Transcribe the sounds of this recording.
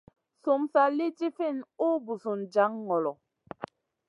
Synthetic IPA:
su˨msa˨li˦ti˦fi˦˨nu˦bu˨su˨nd͡ʒa˨˦ŋːɔ˨lɔ˨

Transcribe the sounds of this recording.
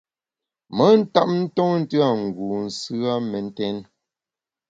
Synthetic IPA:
mə˨˦n̩˦ta˦˨p̚n̩˦tɔ˦n̩˦tɯ˦a˦˨ŋ̩˨ɡu˨n̩˨sʉ˦a˦mɛ˨n̩˦tɛ˦n

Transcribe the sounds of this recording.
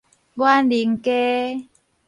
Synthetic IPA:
bwa˦nli˨˦ŋke˦

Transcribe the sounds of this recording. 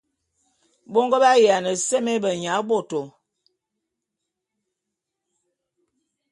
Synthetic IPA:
bo˦ŋɡə˦ba˦ja˨nə˨sɛ˦mɛ˦bə˨ɲa˨˦bo˨to˨

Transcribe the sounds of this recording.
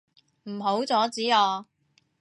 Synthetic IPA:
m̩˨˩ɦo˨˥wt͡sɔː˨˥t͡siː˨˥ɔː˧

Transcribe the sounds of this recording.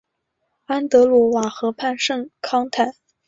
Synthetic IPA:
a˥nt̪ɤ˧˥lwɔ˧˥wa˨˩xɤ˧˥pʰa˥˧nʂɤ˥˩ŋkʰɑ˥ŋt̪ʰa˨˩˦n

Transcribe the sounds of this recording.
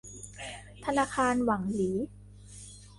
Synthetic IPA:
t̪ʰa˧naː˧kʰaː˧nwa˩˦ŋliː˩˦

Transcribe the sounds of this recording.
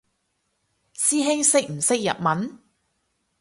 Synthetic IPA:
siː˥ɦɪ˥ŋsɪ˥k̚m̩˨˩sɪ˥k̚jɐ̰˨t̚mɐ˨˥n

